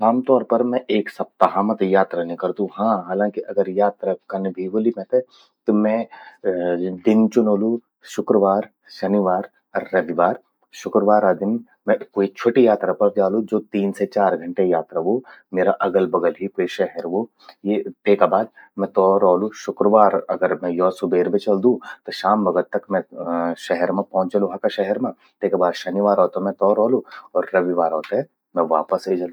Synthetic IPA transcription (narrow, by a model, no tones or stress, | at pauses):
aːmt̪ɔːɾpɐɾmɛ̃ʔeːksɐp̚t̪aɦaːmət̪jaːt̪ɾanẽkɐɾd̪ũɦãːɦaːlãːkiʔɐɡəɾjaːt̪ɾakɐnbʱiʋolimɛ̃t̪e | t̪omɛ̃ | d̪ɪnt͡ʃʊnoːlu | ʃʊkɾəʋaːɾ | ʃɐnɪʋaːɾ | ɔɾːɐʋiʋaːɾ | ʃʊkɾəʋaːɾad̪ɪn | mɛ̃koːit͡ʃʰoːʈijaːt̪ɾapɐɾt̪aːlũd͡ʒoːt̪iːnset͡ʃaːɾɡʱɐ̃ɳʈejaːt̪ɾaʋomeːɾaʔɐɡəlbɐɡəlɦikoːiʃɛɦɛɾʋo | jepeːkabaːd̪̚ | mɛ̃t̪ɔːɾɔːluʃʊkɾəʋaːɾɐɡəɾmɛ̃jɔːsʊbeːɾbʱẽt͡ʃɐld̪ũt̪oʃaːmbɐɡəɾt̪ɐkmɛ̃ʃɛɦɛɾmẽpɔ̃ɦʊ̃t͡ʃɐloɦakaʃɛɦɛɾmã | peːkabaːd̪ʃɐnɪʋaːɾɦɔːt̪amɛ̃t̪ɔːɾɔːluɔːɾːɐʋiʋaːɾɔːt̪aɦɛ | mɛ̃ʋaːpəseːd͡ʒɐl